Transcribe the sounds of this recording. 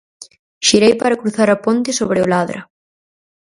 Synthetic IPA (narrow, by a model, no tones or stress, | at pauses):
ʃiɾejpaɾɐkɾuθaɾɐpont̪ɪsoβɾɪʊlaðɾɐ̰